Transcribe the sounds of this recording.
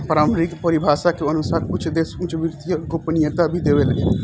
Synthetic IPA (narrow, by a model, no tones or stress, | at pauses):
pəɾaːmɾikpəɾibʱaːʃakeənʊsaːɾkʊt͡ʃʰd̪eːsʊt͡ʃʋɪɾt̪ijaɡopnɪjət̪abʱid̪eːʋeləɡe